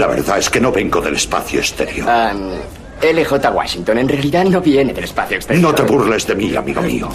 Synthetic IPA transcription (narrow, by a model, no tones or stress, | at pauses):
laβe̞̰ɾðae̞skenoβeŋɡoðelespa̰θjoest̪eɾjoɾam | elexot̪aɣwa̰ʃint̪onenrealiðano̞βjeneðelspaθjoekst̪eɾnot̪eβuɾrlezðemia̰miɣo̞̰mḭo